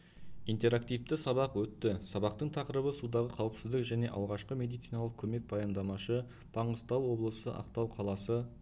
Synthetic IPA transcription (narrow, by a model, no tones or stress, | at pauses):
ijnt̪e̞ɾakt̪ijvt̪ɪsɑβɑqwɵt̪ːɪsɑbɑqt̪əɴt̪ʰɑqəɾəbəsud̪ɑʁəqʰɑwəpsɪzd̪ɪkʒæne̞ʔɑ̰lˠʁɑʃqəme̞d̪ijt̪sijnɑlˠəq̚kʲʰɵme̞k̚b̥ɑjɑnd̪ɑmɑʃə | b̥ɑɴəst̪ɑwwo̞blˠəsə̰ʔɑ̰qt̪ɑwqʰɑlˠɑsə